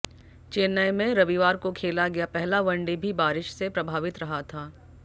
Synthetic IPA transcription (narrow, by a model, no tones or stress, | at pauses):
t͡ʃeːnajmẽɾɐʋiʋaːɾkokʰeːlaɡɐjapɛɦlaʋɐ̃ɳɖebʱibaːɾɪʃsepɾɐbʱaːʋɪt̪ɾɐɦat̪ʰaː